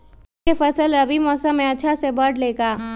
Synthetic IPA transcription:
efɐsəlɾɐbimɔːsəmːẽɐtːʃʰasebəʈleːkaː

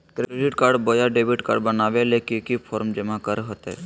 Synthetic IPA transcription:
kɾɾeɖɪʈkaːɾɖbojaɖeːbɪʈka̰ɾɖbənaːʋelekikipʰɔːɾmd͡ʒəmakəɾɦot̪ɦɛ̰

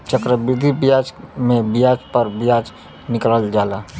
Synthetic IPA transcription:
t͡ʃəkɾəbɪd̪ʱibijad͡ʒmẽbijad͡ʒpəɾbijad͡ʒ | nɪkləld͡ʒaːla

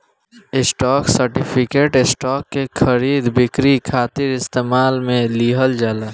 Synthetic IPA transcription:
ɪsʈɔːksəɾʈipʰɪkeːʈɪsʈɔːkːekʰəɾiːd̪bɪkɾikʰaːt̪ɪɾɪst̪eːmaːlmẽliːɦəld͡ʒaːlaː

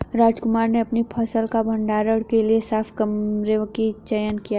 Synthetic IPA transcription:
ɾaːd͡ʒkʊmaːɾneɐpnipʰɐsəlkabʱɐ̃ɳɖaːɾəɽkeliesaːfʰkɐmɾeʋkit͡ʃəjənkija

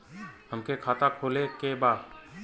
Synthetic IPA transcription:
həmkekʰaːt̪akʰoːlekebaːd̪

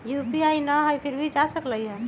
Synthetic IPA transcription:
jupiajnəɦəjpʰiɾbʱid͡ʒasəkləiɦɛ

